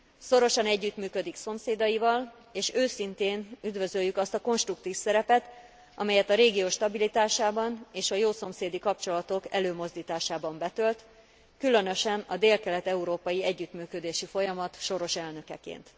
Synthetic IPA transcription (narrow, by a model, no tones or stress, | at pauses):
so̞ɾo̞ʃɒnɛɟːyt̪myːkø̞d̪ikso̞mseːd̪ɒjivɒl | eːʃøːsint̪eːnyd̪vø̞zøjːykɒst̪ɒko̞nʃt̪rukt̪iːfsɛɾɛpɛt̪ | ɒ̰mɛjɛt̪ɒɾeːɡijoːʃt̪ɒbilit̪aːʃaːbɒneːʃɒjoːso̞mseːd̪ikɒp̚t͡ʃo̞lɒt̪o̞kɛløːmo̞zd̪iːt̪aːʃaːbɒmbɛt̪ølt̪ | kylø̞nø̞ʃɛnɒd̪eːlkɛlɛt̪ɛuɾoːpɒjiɛɟːyt̪myːkød̪eːʃifo̞jɒmɒt̪ʃo̞ɾo̞ʃɛlnø̞kɛ̰kḛːnt̪